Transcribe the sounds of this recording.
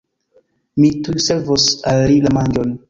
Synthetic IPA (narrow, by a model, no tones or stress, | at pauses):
mitujseɾvosalːilamand͡ʒon